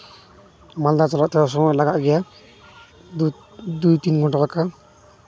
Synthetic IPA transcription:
mald̪at͡sɔlaʔt̪es̬ɔmɔjlaɡaʔɡɛja | d̪ujt̪inɡɔɳʈalaka

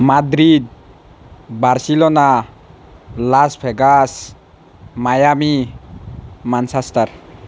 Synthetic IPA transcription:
madɾid̪̚ | baɾsilɔna | laspʰɛɡas | majami | mansastaɾ

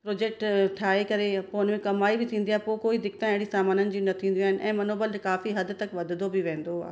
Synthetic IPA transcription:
pɾoːd͡ʑeːk̚ʈʈʰaːɦekɐɾepoːʊnmẽkɐmaːibɪt̪ʰĩːnd̪iaːɦepokoːid̪ɪkt̪ãẽɦɪɽisaːmaːnənɪ̆d͡ʑiːnɐt̪ʰĩːn̆d̪iaːɦɪnɪ̆ʔɛ̃ːmɐnoːbəlekaːfiɦɐd̪t̪ɐkʋɐd̪ʱd̪obɪʋẽːn̆d̪oa̰ːɦ

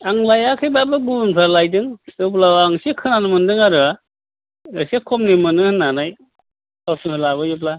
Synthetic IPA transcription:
aŋlajakʰɯjbabɯɡunpʰalajdɯŋjɯp̬lawaŋsikʰɯnanɯmɯndɯŋaɾɯa | ɯsekʰɔmnimɯnɯŋhɯnːanaj | asɯŋhɯlabɯjup̬la

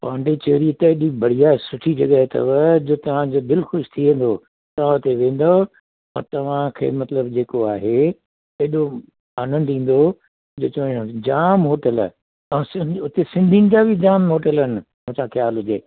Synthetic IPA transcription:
pãːɳɖet͡ɕɐːɦɾiɪt̪ɐɗibɐɽ̤ijaːsʊʈʰid͡ʑɐɠəɦet̪ɐ̰ʋəd͡ʑoːt̪ɐʋ̤ãd͡ʑoːd̪ɪlxʊʃt̪ʰiʋẽːn̆d̪o | t̪ɐʋ̤ãʊt̪eʋẽːn̆d̪o | ɔ̰ːɾt̪ɐʋ̤ãkʰḛːmɐt̪ləbd͡ʑeːkoaːɦe | eɗo | aːnə̃nd̪ĩːn̆d̪o | d͡ʑoːt͡ɕõːd͡ʑaːmɦoːʈəl̰ | ɛ̃sɪʊt̪esɪ̃nd̪ʱinɪ̆d͡ʑabʱɪd͡ʑaːmɦoːʈələnɪ̆mʊ̃ɦsʰãxjaːlɦʊd͡ʑeː

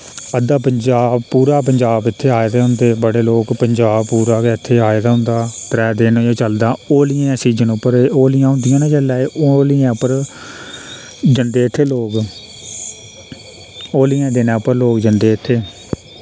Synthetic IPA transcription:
əd̪aːpəɲd͡ʒaːbpuːɾaːp̬əɲd͡ʒaːbɪt̪ʰːeːɦaːd̪aːɦʊ̃nd̪eːbəɽeːloːkpəɲd͡ʒaːbpuːɾaːkeɪt̪ʰːeːaːed̪aːɦʊ̃nd̪aːt̪əɾɛːd̪eːnoːjõːt͡ʃəld̪aːoːlɪjãːɛ̃ːsiːd͡ʒənʊpːəɾoːlɪjãːɦʊ̃nd̪ɪjãːnãːd͡ʒəlaːeʔoːlɪjɛ̃ːpəɾ | d͡ʒənd̪eːɪt̪ʰːeːloːk | oːlɪjãːd̪eːnãːpəɾloːkd͡ʒənd̪eːɪt̪ʰːeː

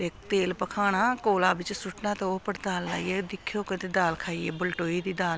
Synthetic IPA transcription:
eːkt̪eːlpəkʰaːɽ̃aːkoːlaːbɪt͡ʃsʊʈnaːt̪eoːpəɽd̪aːlːa̰ːiːeːd̪ɪkʰːoːkət̪eːd̪aːlkʰaːiːḛːbʊlʈoːiːd̪iːd̪aːl

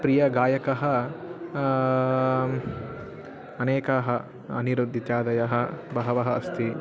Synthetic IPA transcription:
pɾijɐɡaːjɐkɐɦɐ | ɐneːkɐɦɐ | ɐniɾod̪ʱit̪jaːd̪ɐjɐɦɐbɐɦɐʋɐɦɐɐst̪ʰi

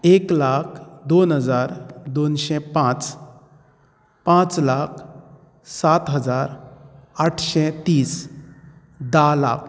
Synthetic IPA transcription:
eklak̚ʰd̪onɦəd͡zaɾd̪onɕɛ̃pãt͡s | pãt͡slakʰ | sat̪ɦəd͡zaɾaʈʰɕɛt̪iːs | d̪ala̰k̚ʰ

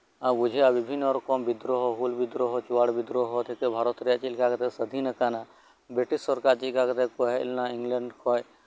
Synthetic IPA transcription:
abud͡ʒʱeabibʱinːɔɾɔkɔmbid̪ɾɔɦɔɦulbid̪ɾɔɦɔt͡ʃuwaɽbid̪ɾoɦɔt̪ʰikebʱaɾɔt̪ɾijat͡ʃilkaket̪esəd̪ʱinəkana | beʈissɔɾkaɾd͡ʒikaket̪ekɔɦɛ̰lnãiŋɡləɳɖkʰɔj

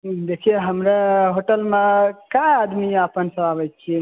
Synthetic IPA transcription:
d̪ekʰijeɦəmɾeɦoʈəlmẽkajad̪miapənsə̃abəjt̪t͡ʃʰie

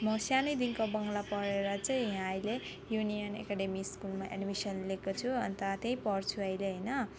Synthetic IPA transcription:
mʌsjanʌjd̪inkobʌŋɡlapʌɾeɾʌt͡sʌj̃ɦãʌjle | junijʌnḛkaɖemiskulmaʔḛɖmisʌnlekot͡sʰuʌnt̪ʌt̪eĩpʌrt͡sʰuʌjleɦʌjnʌ

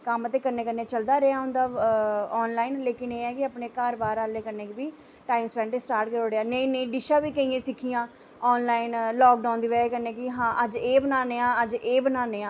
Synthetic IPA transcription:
kəmət̪eːkəɾneːkənːeːt͡ʃəld̪aːɾeaːɦʊ̃nd̪aːɔːnlaːɪnleːkɪneːɛːkɪəpneːkaːɾbaːɾaːleːkəɾneːkbiː | ʈaːɪmspɛ̃ːɳʈeːsʈaːɾʈ̚kəɾoːɽeaːnəĩːnə̃ĩːɖɪʃaːbiːkəĩːẽːsɪkʰijãː | ɔːnlaːɪnlɔːk̚ɖaːʊnd̪iːʋeːkəɾneːkɪɦãːʔəd͡ʒeːbənaːneːãːəd͡ʒeːbənaːneːãː

